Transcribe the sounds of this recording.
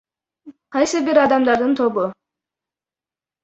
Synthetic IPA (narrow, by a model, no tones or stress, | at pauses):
qʰɑjsɨbiɾɑd̪ɑmd̪ɑɾd̪ɯnt̪ʰo̞bʊ